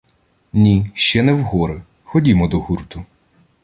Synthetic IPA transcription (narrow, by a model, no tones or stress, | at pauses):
nʲiʃt͡ʃɛnɛwɦɔɾɪ | xɔdʲimɔd̪ɔhurt̪ʊ